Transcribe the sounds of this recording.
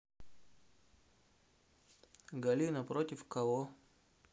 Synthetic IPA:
ɡɐlʲinɐpɾotʲɪfkɐvo

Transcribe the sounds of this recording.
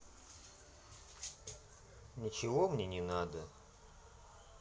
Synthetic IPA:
nʲɪt͡ɕɪvomnʲenʲɪnad̪ə

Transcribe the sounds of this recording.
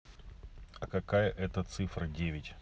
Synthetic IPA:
ɐkɐkajəʔɛt̪ət̪sɨfɾədʲevʲɪtʲ

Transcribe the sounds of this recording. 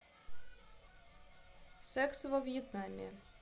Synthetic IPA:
sɛksvɔvjɛt̪namʲɪ̰

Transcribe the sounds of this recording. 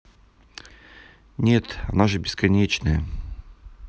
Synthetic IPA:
nʲe̞t̪ɐnaʐɨbʲɪskɐnʲet͡ɕnəjə

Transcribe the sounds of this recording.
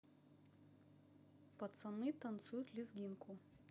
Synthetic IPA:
pɐt̪sɐnɨt̪ɐnt̪sut̪ʲlʲɪzɡʲiŋku

